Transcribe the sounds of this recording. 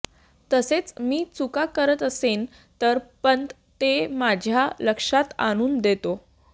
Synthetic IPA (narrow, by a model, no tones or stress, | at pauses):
t̪əset͡smiːt͡sukakəɾət̪əsen | t̪əɾpənt̪ | t̪emad͡ʑʱjaləkʂat̪a̰ɽ̃uːnd̪et̪o